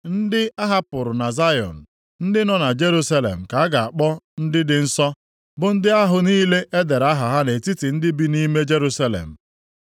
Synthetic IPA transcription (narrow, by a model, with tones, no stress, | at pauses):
n̩˦dɪ˦a˦ɦa˦pʊ˨ɾʊ˨na˨za˦jɔ̰˨n̩˨ | n̩˦dɪ˦nɔ˦na˨d͡ʒe˦ɾu˦sa˦lḛ˨m̩˨ka˨a˦ɡa˨a˨k͡pɔ˦n̩˦dɪ˦dɪ˨n̩˦sɔ˦ | bʊ˨n̩˦dɪ˦a˦ɦʊ˨niː˦le˦ʔe˦de˨ɾa˦ɦa˨ɦa˦ne˨ti˦ti˨n̩˦dɪ˦bi˦ni˦me˦d͡ʒe˦ɾu˦sa˦lḛ˨m̩˨